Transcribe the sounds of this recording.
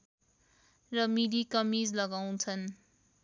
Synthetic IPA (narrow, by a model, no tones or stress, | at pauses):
rʌmidikʌmid͡zlʌɡaw̃t͡sʰʌn